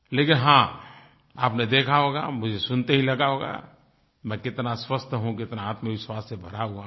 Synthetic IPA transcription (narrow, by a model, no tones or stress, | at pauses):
leːkɪnɦã | aːpned̪eːkʰaɦoːɡa̰mʊd͡ʒʱesʊnt̪eɦilɐɡaɦoːɡa̰ | mɛ̃kɪt̪naswəst̪ʰɦũkɪt̪naːt̪məʋɪʃwaːsːebʱɐɾaɦua